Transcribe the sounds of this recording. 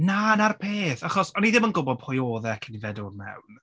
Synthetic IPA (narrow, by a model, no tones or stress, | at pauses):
nanarpʰeːθaχɔsɔniðɪmənɡʊbɔd̥pʰɔjoːðɛkʰənivɛdʊrmɛ̰wn